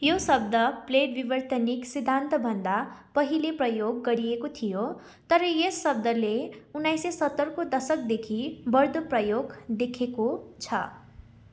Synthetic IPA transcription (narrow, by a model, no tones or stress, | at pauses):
josʌb̚d̪ʌpleʈbibʌrt̪ʌniksid̪ʱːant̪ʌbʱʌnd̪apʌɦileprʌjoɡːʌɾijekot̪ʰijo | t̪ʌɾʌjesːʌb̚d̪ʌleunːajsesʌt̪ːʌrkod̪ʌsʌk̚d̪ekʰibʌrd̪oprʌjoɡd̪ekʰekot͡sʰʌ̰